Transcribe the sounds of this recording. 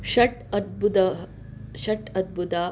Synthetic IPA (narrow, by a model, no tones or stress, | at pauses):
ʃɐʈɐd̪̚but̪ɐ | ʃɐʈɐd̪̚but̪aː